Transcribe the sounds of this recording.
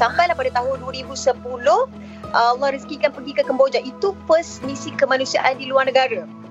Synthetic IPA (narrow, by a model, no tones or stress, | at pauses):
sampajlahpadat̪aɦʊnduəɾibusəpulʊh | ʔəalːɑhɾiskikanpəɡikəkəmbod͡ʒaʔit̪upəsmisikəmãnũsia̰ʔandiluarnəɡaɾa